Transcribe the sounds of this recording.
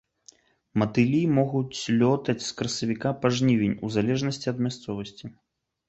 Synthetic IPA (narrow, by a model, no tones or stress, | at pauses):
mɐt̪ɨlʲimɔɣut͡sʲlʲɔt̪ɐt͡sʲskɾɐsɐvʲikapaʐnʲivʲinʲuzalʲɛʐnɐsʲt͡sʲiɐd̪̚mʲast̪sɔvɐsʲt͡sʲi